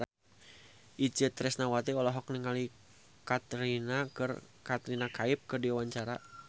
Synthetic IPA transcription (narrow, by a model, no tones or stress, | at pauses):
ʔid͡ʒət̪ɾɛsnawat̪iɔlɔɦɔk̚niŋali | kat̪ɾinakər | kat̪ɾinakaɪp̚kərdiwawaɲt͡ʃaɾa̰